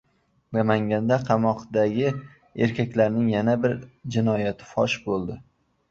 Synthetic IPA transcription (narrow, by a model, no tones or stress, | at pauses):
mamaŋɡʲand̪aqʰɑmɒqd̪aɡʲɪ | e̞ɾkʲʰakʲlaɾnɪŋjanabɪɾd͡ʒɪnɒjat̪ʰɪ̥fɒ̰ʃbolˠd̪ɪ